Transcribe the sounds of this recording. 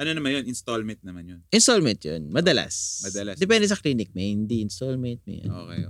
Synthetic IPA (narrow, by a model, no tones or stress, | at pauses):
ʔɐnonɐmanjonʔɪnst̪olmɛnt̪̚nɐmanjonʔɪnst̪olmɛnt̪jo̰nmɐd̪ɐla̰smɐd̪ɐlasd̪ɛp̬ɛnd̪ɛsɐkliːnɪk̚mehɪnd̪iʔɪnst̪olmɛnt̪̚mo̰jɐ̰no̰kɛ̰j